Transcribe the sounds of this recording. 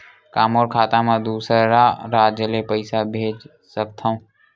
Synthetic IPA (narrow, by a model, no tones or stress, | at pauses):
kaːmoːɾkʰaːt̪ãmãd̪uːsɾaɾaːd͡ʒəlepəɪsabʱeːd͡ʒ | sək̚t̪ʰaũː